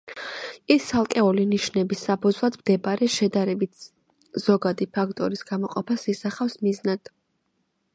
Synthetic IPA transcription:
isalˠkʼɛuliniʃnɛbisːapʰud̪zlˠad̪md̪ɛbaɾɛʃɛd̪aɾɛbit̪ | z̥ɔɡad̪ipʰakʰt̪ʼɔɾisɡ̥amɔqʼɔpʰasisaχafsmiznad̪̥

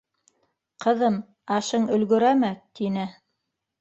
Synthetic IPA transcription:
qɤ̆ðɤm | ɑʃɤɴɵ̆lɡɵ̆ɾæmæt̪inɘ

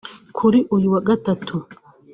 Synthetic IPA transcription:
kʰuɾiʔujuwaɡatatʰu

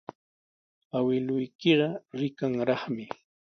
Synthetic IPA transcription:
awɪlʊjkɪɢɑɾɪkaŋɾɑχmɪ

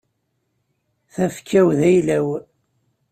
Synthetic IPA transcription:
θæfkʰːæwðæjlæw

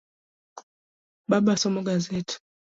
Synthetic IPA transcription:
babasɔmɔɡazeti̥

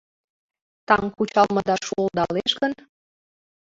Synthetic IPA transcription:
t̪ɑŋkut͡ɕɑlməd̪ɑʃuəlˠd̪ɑleʃɡən

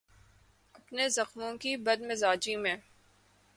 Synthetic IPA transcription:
ɐpnezɐxmõkibɐd̪mɪzaːd͡ʒimẽː

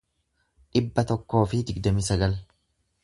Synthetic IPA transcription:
ᶑɪbːɐt̪ɔkːo̞ːfɪd̪ɪɡd̪ɐmɪsɐɡɐl

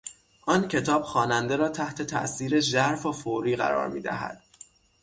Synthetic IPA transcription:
ʔɒːncʰe̞t̪ʰɒːb̥xɒːnænd̪eɾɒːt̪ʰæht̪ʰe̞t̪ʰæ̰ʔsiːɾeʒæɾfofoɾiːɣæ̰ɾɒ̰ːɾmḭːd̪æ̰ɦæ̰d̪̥̚

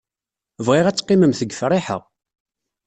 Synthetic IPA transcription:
vʁɪʁæt͡sːqːɪməmθəɡfrˤɪħə̰ʁ

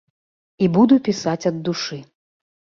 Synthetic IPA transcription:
ibud̪upʲisat͡sʲɐd̪ːuʂɨ

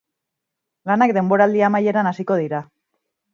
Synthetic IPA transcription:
lanakd̪e̞mbo̞ɾald̪iamaje̞ɾanasiko̞ð̞iɾa

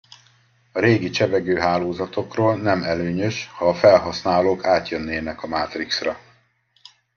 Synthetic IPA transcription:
ɒɾeːɡit͡ʃɛbɛɡøːɦaːloːzɒt̪o̞kroːlnɛmɛløːɲøʃhɒːfɛlɦɒsnaːloːkaːt̪jønːeːnɛkɒmaːt̪riksrɒ

